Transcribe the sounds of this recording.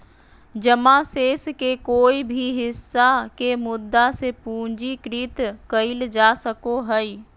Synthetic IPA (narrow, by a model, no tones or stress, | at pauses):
d͡ʑɐmaseːskekoːibʱiɦɪsːakemʊd̪ːasepũːɲd͡ʑikɾiːt̪kɐild͡ʒaːsɐkoɦɐiː